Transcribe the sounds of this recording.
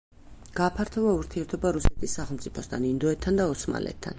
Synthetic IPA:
ɡ̥aːpʰaɾt̪ʰɔvauɾt̪ʰiɛɾt̪ʰɔbaɾusɛt̪ʰisːaχɛlˠmt̪sʼipʰɔst̪ʰanind̪ɔɛt̪ʰːand̪aɔsma̰lɛ̰t̪ʰːa̰n

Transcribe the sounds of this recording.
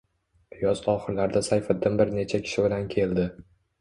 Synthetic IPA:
pʰjɒzɒχɨɾlaɾd̪asajfɪd̪ːɪmbɪɾne̞t͡ʃʰakʲʰɪ̥ʃɪbɪlankʲʰe̞ld̪ɪ

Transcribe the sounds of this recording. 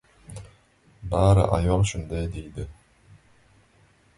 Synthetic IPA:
bɑːɾɯ̰ʔɑ̰jolˠʃund̪ɑjd̪ejd̪ɪ

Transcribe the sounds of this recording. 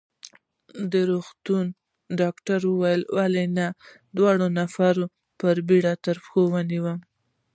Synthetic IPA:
d̪əɾoxt̪un | ɖɑkʈaɾwəwajəlwalena | d̪wɑɽonafaɾo | pəɾbiɽat̪əɾpxowaniwam

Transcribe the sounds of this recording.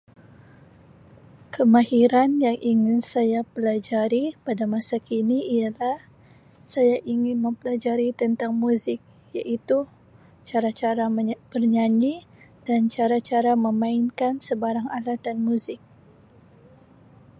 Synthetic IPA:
kəmahiɾanjaŋʔiŋɪnsajapəlad͡ʒaɾipadamasakiniijalah | sajaʔiŋɪnmə̃mpəlad͡ʒaɾit̪ənt̪aŋmuzɪk̚ | jaʔit̪u | t͡ʃaɾat͡ʃaɾabərɲaɲid̥ant͡ʃaɾat͡ʃaɾaməmãɪnkansəbaɾaŋalat̪anmuzɪk̚

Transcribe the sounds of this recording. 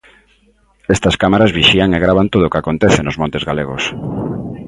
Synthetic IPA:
ɛst̪ɐskamaɾazβiʃiaŋeɣɾaβant̪oðoʊkakont̪eθɪnʊzmõnt̪ezɣaleɣos

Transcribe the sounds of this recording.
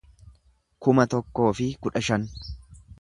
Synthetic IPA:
kʊmɐt̪ɔkːo̞ːfɪkʊᶑɐʃɐn

